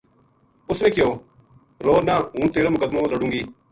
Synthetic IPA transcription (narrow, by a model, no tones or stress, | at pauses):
ʊsnẽːkɪjoː | ɾoːnaːɦũːt̪eːɾaːmʊkəd̪mõːləɽũːŋɡiː